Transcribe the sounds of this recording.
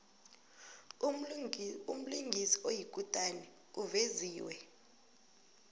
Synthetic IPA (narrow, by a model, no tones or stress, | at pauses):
um̩liŋɡʱisi̥ojik̬ʼutʼanɛ | uveziːwɛ